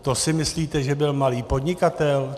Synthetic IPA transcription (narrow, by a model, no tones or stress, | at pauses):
t̪osɪmɪsliːt̪ɛʒɛbɪlmaliːpo̞dɲɪkat̪ɛl